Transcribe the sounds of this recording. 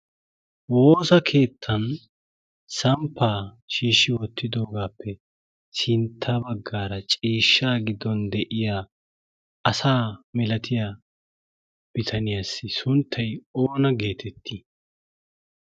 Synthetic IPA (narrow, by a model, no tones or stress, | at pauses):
wo̞ːsɐkʰe̞ːt̪ʰːɐn | sɐmpʰːaː | ʃiːʃːɪwɔt̪ːɪd̪o̞ːɡaːpːɛ | sɪnt̪ʰːabɐɡːaːɾɐt͡ʃʼiːʃːaːɡɪd̪ɔnd̪ɛʔɪjaː | ɐsaːmɛlɐt̪ʰɪja | b̥ɪt̪ʰɐnɪjaːsːɪsʊnt̪ʰːɐjo̞ːnɐɡe̞ːt̪ʰɛt̪ʰːi